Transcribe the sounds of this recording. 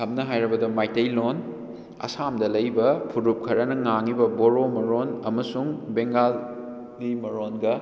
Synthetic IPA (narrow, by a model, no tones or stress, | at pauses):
kʰɐmnɐɦajɾɐbɐdɐmajtɐjlon | ɐ̰samdɐlɐjbɐpʰuɾup̚kʰɐɾɐnɐŋaŋibɐboɾomɐɾonɐmɐsuŋbeŋɡalː | imɐɾonɡɐ